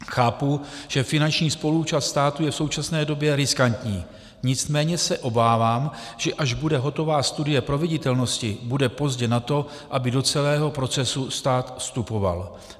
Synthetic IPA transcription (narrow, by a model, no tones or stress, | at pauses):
xaːpuʒ̥ɛfɪnant͡ʃɲiːspo̞lut͡ʃast̪st̪aːt̪ujɛfso̞wt͡ʃasnɛːdo̞bjɛɾɪskant̪ɲiː | ɲɪt͡s̪mɛːɲɛsɛʔo̞baːvaːm | ʒ̥ɛʔaʒbudɛɦo̞t̪o̞vaːst̪udɪjɛpɾo̞vɪɟɪt̪ɛlno̞scɪbudɛpo̞zɟɛnat̪o̞ | ʔabɪdo̞t͡sɛlɛːɦo̞pɾo̞t͡sɛsust̪aːt̪fst̪upo̞va̰l